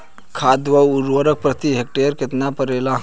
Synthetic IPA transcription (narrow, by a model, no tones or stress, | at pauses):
kʰad̪ʋəuɾʋəɾək̚pɾət̪iɦek̚ʈeəɾkɪt̪napəɾelaɦ